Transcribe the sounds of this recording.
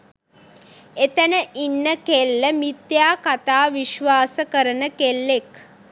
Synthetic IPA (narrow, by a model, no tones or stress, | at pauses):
et̪ənəʔinːəkelːəmit̪jaːkat̪aːʋiʃʋaːsəkəɾənəkelːek